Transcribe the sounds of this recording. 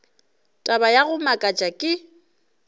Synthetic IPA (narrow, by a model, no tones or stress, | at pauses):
tʼabajaɣʊmakʼat͡ʃʼakʼɪ